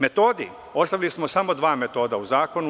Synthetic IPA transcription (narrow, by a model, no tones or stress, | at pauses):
me̞t̪o̞ːd̪ḭ | o̞st̪aʋilismo̞samo̞d̪ʋaːme̞t̪o̞ːd̪auzaːko̞nu